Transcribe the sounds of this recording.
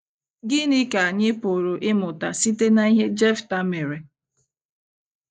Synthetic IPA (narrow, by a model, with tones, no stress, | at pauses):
ɡɪ˦nɪ˦ka˨a˨ɲɪ˦pʊ˨ɾʊ˨ʔɪ˦mʊ˨ta˨si˦te˦na˨i˦ɦe˦d͡ʒɛ˦fta˦me˨ɾe˨